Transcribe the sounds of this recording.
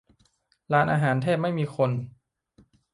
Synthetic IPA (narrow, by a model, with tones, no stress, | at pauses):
laː˦˥nʔaː˧ɦaː˩˦nt̪ʰeː˥˩p̚ma˥˩jmiː˧xʰo˧n